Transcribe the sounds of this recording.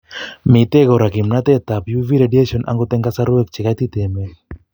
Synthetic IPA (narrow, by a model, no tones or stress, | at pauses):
mit̪ɛɡɔɾakimnat̪ɛt̪apjuviɾedieʃɔnʔa̰ŋɡot̪ɛŋɡasaɾuwɛk̚t͡ʃɪkat̪it̪ɛmɛ